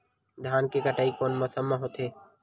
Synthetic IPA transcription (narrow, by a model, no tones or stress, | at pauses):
d̪ʱjaːnkekəʈaːikoːnməsəmːaɦoːt̪ʰeː